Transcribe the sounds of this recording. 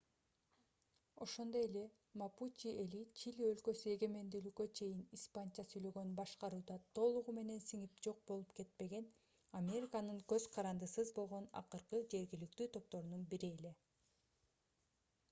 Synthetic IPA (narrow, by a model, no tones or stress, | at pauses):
o̞ʃo̞nd̪o̞je̞le̞ | maput͡ʃielit͡ʃilʲiø̞lkø̞sye̞ɡe̞me̞nd̪yːlykːø̞t͡ʃʰe̞jinispant͡ʃasyjlø̞ɡønbɑʃqɑɾuːd̪ɑt̪ʰo̞lˠuʁume̞ne̞nsiŋip̚d͡ʒo̞q̚bo̞lˠupke̞t̪̚pe̞ɡe̞n | amʲe̞ɾʲikanɯŋkø̞zqʰɑɾɑnd̪ɯsɯzbo̞lˠʁo̞nɑ̰qɯɾqɯd͡ʒe̞ɾɡilyk̚t̪yːt̪ʰo̞p̚t̪o̞ɾununbiɾie̞le̞